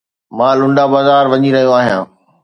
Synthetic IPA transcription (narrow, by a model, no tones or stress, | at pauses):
mãːlʊ̃ɳɖabaːzaːɾʋɐɲiɾɐɦijoaːɦijãː